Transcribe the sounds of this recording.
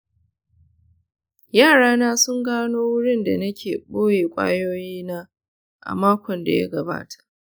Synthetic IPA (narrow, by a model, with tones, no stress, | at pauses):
jaː˦˨ɽaː˦naː˦sʊ˦ŋɡaː˦noː˦wʊ˦ɽɪ˦nda˨nɐ˦kʲʰeː˨ɓoː˦jeː˨kʷʼa̰ː˦joː˦jiː˦naː˦ | ʔa̰˨maː˦kʷɔ˨nda̰˨ja̰˦ɡɐ˨ba̰ː˦tʰḁ˨ʔ